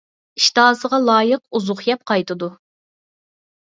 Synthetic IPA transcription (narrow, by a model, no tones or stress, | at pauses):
iʃt̪ɑːsəʁɑlˠɑːjəq̚uzʊχjɛp̚qʰɑjt̪ʰɨd̪u